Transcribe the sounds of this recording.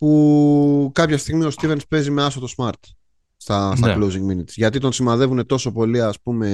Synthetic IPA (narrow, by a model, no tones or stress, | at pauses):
pu | kɐpçɐst̪iɣmio̞st̪ive̞nspe̞zime̞ɐsot̪o̞smɐɾt̪ | st̪ɐst̪ɐklowziŋɡminit̪sʝɐt̪it̪o̞nsimɐðe̞vune̞t̪o̞so̞po̞liɐspume̞